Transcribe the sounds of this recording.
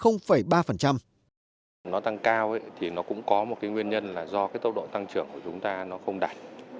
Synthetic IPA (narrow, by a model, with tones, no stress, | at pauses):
xə˧wŋ͡mfə˧˩jɓaː˧fə˨˩nt͡ɕa˧m | nɔ˨˦t̪a˧ŋkaː˧wʔə˨˦t̪ʰi˨˩nɔ˨˦kʊ̰˧˥ŋ͡mkɔ˨˦m˨˩t̚kaː˨˦jŋwi˧ənɲə˧nlaː˨˩zɔ˧kaː˨˦jt̪ə˧wɗo̰˧˨t̪a˧ŋt͡ɕɨ˧˩əŋku˧˩ət͡ɕʊ˨˦ŋ͡mt̪aː˧nɔ˨˦xə˧wŋ͡mɗaː˨˩t̚